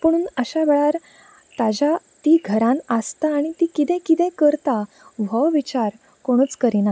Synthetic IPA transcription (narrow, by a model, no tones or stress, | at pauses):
pəɽ̃uːnəɕaʋeɭaɾ | t̪ad͡ʑa | t̪iːɡʱəɾãnəst̪aːɽ̃it̪iːkit̪ɛ̃kit̪ɛ̃kəɾt̪a | ʋ̤əʋit͡ɕaɾ | koɽ̃uːt͡skəɾina